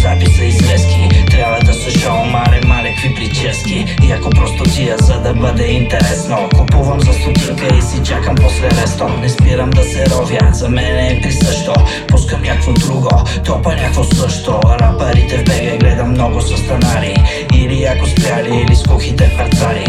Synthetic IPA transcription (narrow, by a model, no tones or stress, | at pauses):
zapisɛizvɛsk̪it̪ɾʲjabad̪asɛʃamːalɛmalɛkviplit͡ʃ̪iɛski | iakopɾɔst̪ot̪iazad̪abəd̪ɛint̪ɛɾɛsnokopuvamzast̪ut̪ikɛisit͡ʃakamposlɛmɛst̪onɛspiɾamd̪asɛɾɔvjaz̥amɛnɛpɾisəʃt̪ɔ | pɔskamjakvod̪ɾuɡot̪ɔpanakvosəʃt̪ɔnapaɾit̪ɛvbɛɡɛɡlɛd̪amːnɔɡosost̪anaɾiː | iliakospɾʲjaliiliskuxit̪ɛpaɾt̪aɾi